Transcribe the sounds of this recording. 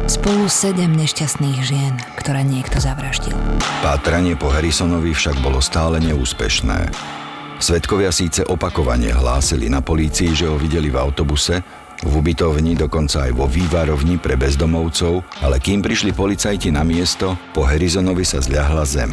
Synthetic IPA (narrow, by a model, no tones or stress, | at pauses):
spɔlusɛɟɛmɲɛʃcast̪niːɣʒɪɛn | kt̪ɔɾɛːɲɪɛkt̪ɔzaʋɾaʒɟḭlpaːt̪ɾaɲɪɛpɔɦɛɾisɔnɔʋifʃaɡ̚bɔlɔst̪aːlɛɲɛuːspɛ̰ʃnɛ̰ː | sʋɛt̪kɔʋɪasiːt͡sɛʔɔpakɔʋa̰ɲɪɛ̰ɦlaːsilḭnapɔliːt͡siiʒɛɦɔʋiɟɛlivaʊt̪ɔbusɛ | vubit̪ɔʊɲid̪ɔkɔnt͡saːjʋɔʋiːʋaɾɔʋɲipɾɛbɛzd̪ɔmɔʊt͡sɔʊalɛkiːmpɾiʃlipɔlit͡sajcinamɪɛst̪ɔpɔɦɛɾizɔnɔʋisazʎaɦlazɛm